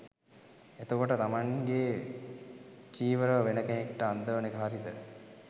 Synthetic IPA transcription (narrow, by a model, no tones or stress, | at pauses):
et̪okoʈət̪amaŋɡe | t͡ʃiːʋəɾəʋəʋenəkenekʈəand̪əʋənekəɦaɾid̪ə